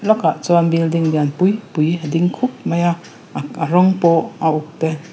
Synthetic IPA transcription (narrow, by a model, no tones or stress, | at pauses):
lɔkaʔt͡sɔnbild̪ɪŋd̪ianpujpujad̪ɪŋkʰup̚mɐja | aɾɔŋpɔauk̚t̪ɛ